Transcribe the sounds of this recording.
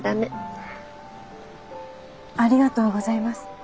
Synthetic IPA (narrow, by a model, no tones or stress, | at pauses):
d̪ame | aɾʲiɡat̪o̞ːɡo̞zaimasɨ̥